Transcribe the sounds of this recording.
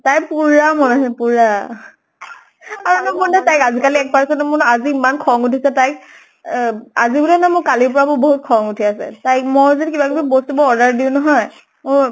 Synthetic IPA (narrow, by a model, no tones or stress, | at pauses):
tajpuɹamɔnasɛpuɹa | aɹunɔbɔɹnatajkazikaliɛk̚paɹsɛntɛmʊɹaziːmankʰɔŋutʰisɛtajk̚ | azibulɛnamʊɹkalipɔɹabʊboɦut̚kʰɔŋutʰiasɛ̰tajk̚moɹzidikibakibɛbostubɔɔɹdaɹdiʊnɔɦɔj | mʊɹ